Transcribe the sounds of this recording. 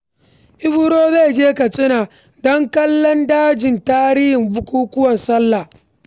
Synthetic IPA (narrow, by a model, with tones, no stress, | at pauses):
ʔɪ˦bʊ˦ɾoː˦ze˦˨d͡ʒeː˦kɐ˨t͡sʼɪ˦naː˨ | dɔ˦ŋkɐ˦lːɔ˦ndaː˦d͡ʒɪ˨ntaː˦ɾɪ˦hɪ˨mbʊ˦kʷuː˦kʷʊ˦wɐ˨nsɐ˦lːa˨